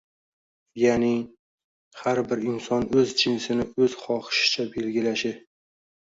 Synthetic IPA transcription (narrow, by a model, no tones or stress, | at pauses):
janɪ | haɾbɪɾɪnsɒnɵzd͡ʒɪnsɪnɪɵzχɒχɪ̥ʃɪ̥t͡ʃʰabe̞lɡʲɪlaʃɪ